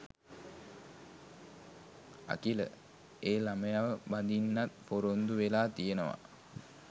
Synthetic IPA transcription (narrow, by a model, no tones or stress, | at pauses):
a̰kilə̰ | eːlaməjaʋəband̪inːat̪poɾond̪uʋelaːt̪ijənəʋa̰